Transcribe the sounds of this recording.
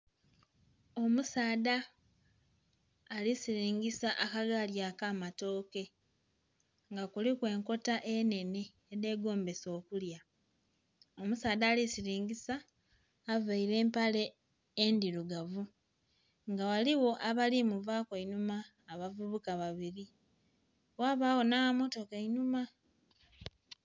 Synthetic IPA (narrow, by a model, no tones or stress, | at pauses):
o̞musaːda | lisiɾiːŋɡisaʔakaɡaljaːkaːmato̞ːke̞ | ŋɡakulikwe̞ːŋko̞taʔene̞neːðe̞ːɡo̞ːmbe̞so̞ːkulja | o̞musaːðaːlisiɾiːŋɡisaː | vaiɾe̞ːmpale̞ː | ndiɾuɡavu | ŋɡawaliwo̞ʔaβalimuvaːkwainumaː | βavuβukaβaβiɾi | waːβaːwo̞nawamo̞to̞kainuma